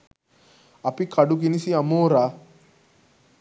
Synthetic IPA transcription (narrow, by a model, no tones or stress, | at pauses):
ɐpikʰɐɖuk̬inisiɐmoːɾa